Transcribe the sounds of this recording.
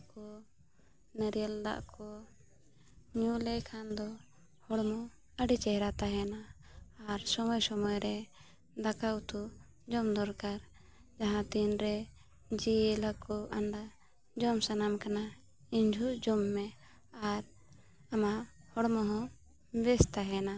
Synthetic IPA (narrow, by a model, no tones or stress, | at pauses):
kɔ | nəɾjəld̪a̰ʔkɔ | ɲulɛkʰand̪ɔ | hɔɽmɔ | əɖit͡ʃɛɦɾat̪aɦɛnaː | ɾsɔmɔjsɔmɔjɾɛ | d̪akaut̪ʰu | d͡ʒɔmd̪ɔɾkaɾ | d͡ʒaɦãt̪inɾɛ | d͡ʒiɛlakɔʔaɳɖa | d͡ʒɔmsanamkana | iɲd͡ʒʱuʔd͡ʒɔmːɛ | aɾ | ama | hɔɽmɔɦɔ̃ | bɛst̪aɦɛna